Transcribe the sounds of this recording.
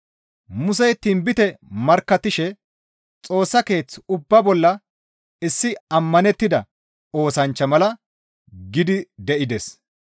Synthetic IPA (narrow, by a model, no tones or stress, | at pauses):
mʊs̬ɛjt̪ːiːnbɪt̪ɛmɐɾkːɐt̪ːɪʃɛ | t͡sʼo̞ːsːɐke̞ːt͡sːʊbːɐbɔlːɐ | ɪsːɪɐmːɐnɛt̪ːɪd̪ɐ | o̞ːsɐnt͡ʃːɐmɐlɐ | ɡɪd̪ɪd̪ɛʔɪd̪ɛs